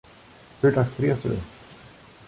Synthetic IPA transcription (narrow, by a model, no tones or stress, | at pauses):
hɵɖaksɾeːsɵ̰